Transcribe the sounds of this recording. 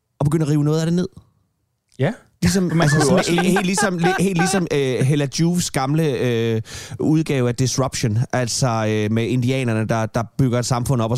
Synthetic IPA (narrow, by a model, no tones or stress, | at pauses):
ɒb̥eɡ̥ø̰nɐʁiːʊənɔð̞̩ˠæd̥e̝ne̝ð̞̰ˠ | lis̬ɒ̽mælssmhe̝̰ldlːisɒ̽mleɦe̝̰ːld̥lisɒ̽møɦelæd̥uːfsɡ̥ɑ̈mləø | uð̞ˠɡ̥ɛːʊæd̥isʁab̥ɕo̝nʔælsɒømee̝nd̥iɛ̰ːnɐnəd̥ɑ̈d̥ɑ̈b̥yɡ̥ɐed̥sɑ̈mfɔ̽n̰̩ɒ̽b̥ɒ̽